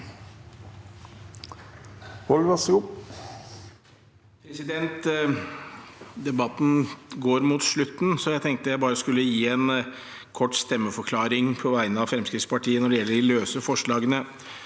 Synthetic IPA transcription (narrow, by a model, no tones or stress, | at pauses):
hɔlʋɑsʊp | pʰɾɛsɪd̪ɛnt̪ | d̪ɛbɑt̪ːn̩ɡoːɾmuːt̪ʂɭʉt̪ːn̩sɔjæɪt̪ʰɛŋk̚t̪əjæɪbɑːɾəskʉlːəjiːɛn | kʰɔʈːst̪ɛmːəfɔɾkʰlɑːɾɪŋpʰɔʋæɪnəɑʋfɾɛmskɾɪft̪spɑʈiːənɔɖɛjɛlːəɖɪløːsəfɔʂɭɑːɡənə